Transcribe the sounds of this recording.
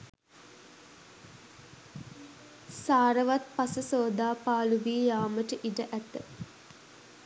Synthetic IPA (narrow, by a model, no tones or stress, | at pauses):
saːɾəʋat̪̚pasəsoːd̪aːpaːluʋiːjaːməʈəʔiɖəʔæt̪ːə